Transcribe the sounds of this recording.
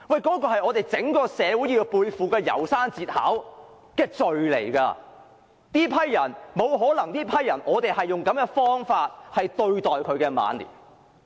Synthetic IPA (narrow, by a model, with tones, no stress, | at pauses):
wɐ˨jkɔː˨˥kɔː˧ɦɐ˨jɔː˨˧t̪e˨jt͡sɪ˨˥ŋkɔː˧sɛː˨˧wuː˨˥ji˧wpuː˧jfuː˨kɛː˧jɐ̰˨˩wsaː˥nt͡siː˧t̚ha̰ː˨˥w | kɛː˧t͡sɵ˨ɥlḛ˨˩jkaː˧ | t̪iː˥pʰɐ˥jːɐ˨˩nmo˨˧wɦɔː˨˥lɐ˨˩ŋt̪iː˥pʰɐ˥jːɐ˨˩nʔɔː˨˧t̪e˨jhɐ˨jːʊ˨ŋkɐ˨˥mjɛː˧fɔː˥ŋfaː˧t̚hɐ˨jt̪ɵ˧ɥt̪ɔː˨jkʰɵ˨˧ɥkɛː˧ma̰ː˨˧nlḭː˨˩